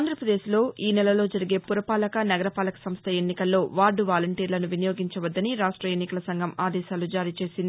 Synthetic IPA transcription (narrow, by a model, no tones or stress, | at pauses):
nd̪ɾɐpɾɐd̪e̞ːʃlo̞ːʔiːnɛlɐlo̞ːd͡ʒɐɾiɡe̞ːpuɾɐpaːlɐkɐnɐɡɐɾɐpaːlɐkɐ̥sɐmst̪ʰɐenːikɐlːo̞ːʋaːɖuʋaːlɐɳʈiːɾlɐnuʋinɐjo̞ːɡiɲt͡ʃɐʋɐd̪ːɐniɾaːʂʈɾɐjenːikɐlɐsɐŋɡʱɐmaːd̪ɛːʃaːlud͡ʒaːɾiːt͡ʃe̞ːsind̪i